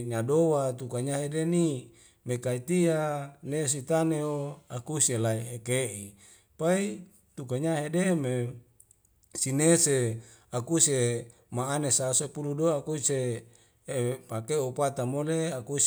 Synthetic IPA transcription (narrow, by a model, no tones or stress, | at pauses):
ɲadowat̪ukaɲaɦedeni | mekait̪ianes̬it̪aneoakuselaiɦekeʔi | pai | t̪ukaɲaɦedeme | sinese | akuse | maːnesasepuludoakuseː | pakeopat̪amoleakus